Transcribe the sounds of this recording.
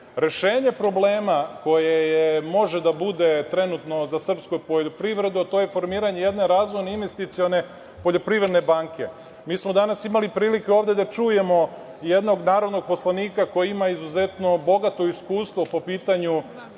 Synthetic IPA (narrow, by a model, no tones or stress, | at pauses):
ɾe̞ʃe̞ːɲe̞pɾo̞bleːmako̞jejemo̞ʒed̪abud̪e̞t̪ɾe̞nut̪no̞zasr̩pskojpoʎopɾiʋɾe̞d̪uat̪oːje̞fo̞ɾmiːɾaɲe̞je̞d̪ne̞ɾazʋojneinʋe̞st̪it̪sijone̞ | po̞ʎo̞pɾiʋɾe̞d̪ne̞baŋke̞ | miːsmod̪anasimalipɾiːlikeoːvd̪ed̪at͡ʃuje̞mo̞ | jed̪no̞ɡnaːɾod̪no̞ɡ̚po̞slˠaniːkako̞jiimaizuze̞t̪no̞bo̞ɡat̪o̞iskuːst̪ʋo̞po̞piːt̪aɲu